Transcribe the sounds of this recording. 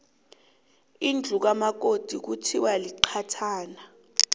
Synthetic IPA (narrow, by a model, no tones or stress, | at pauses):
ind͡ɮʱuk̬amak̬od̥ʱik̬utʰiwaliǃʰatʰaːna